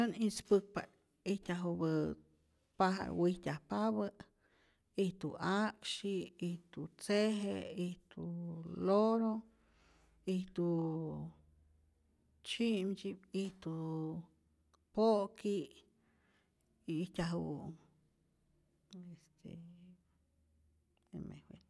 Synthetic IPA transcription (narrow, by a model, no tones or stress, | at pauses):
onispɨk̚pa̰ | iht̪ʲaɦubə | paɦa̰wiht̪ʲahpaβə | iht̪uakʃiiht̪ut͡seɦḛiht̪uloɾo | iht̪u | t͡ʃiʔmd͡ʒipiht̪u | poʔki | iːtʲaɦṵ | est̪ʰḛ | ḛmʔḛhwe